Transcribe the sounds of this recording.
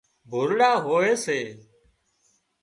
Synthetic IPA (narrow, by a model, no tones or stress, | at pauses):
bʱʊɾɽaːɦoːeːseː